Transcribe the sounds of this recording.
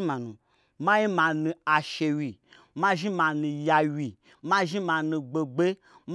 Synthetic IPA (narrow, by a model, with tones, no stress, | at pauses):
mã˨nṵ̃˨ | mã˦ji˦mã˧nũ˧a˨ʃe˧wi˨ | mã˦ʒi˦mã˧nũ˧ja˧wi˨ | mã˦ʒi˦mã˨nũ˧ɡ͡be˧ɡ͡be˦ | m